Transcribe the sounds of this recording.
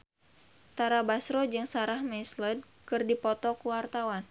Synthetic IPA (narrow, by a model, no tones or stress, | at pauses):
t̪aɾabasɾɔd͡ʒɨŋsaɾahmɛsləd̚ | kɨrdipɔt̪ɔkuwart̪awan